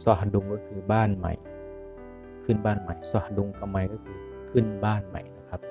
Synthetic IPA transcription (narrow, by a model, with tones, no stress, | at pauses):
sɔ˧˩du˧ŋkɔː˥˩kʰɯː˧baː˥˩nma̰˨˩j | kʰɯ˧˥˩nbaː˥˩˨nma˨˩jsɔ˧˩du˧ŋka˧˩ma˧˩jkɔː˥˩kʰɯː˧ | kʰɯ˧˥˩nbaː˥˩nma̰˨˩jna˦˧˩kʰa˦˥p̚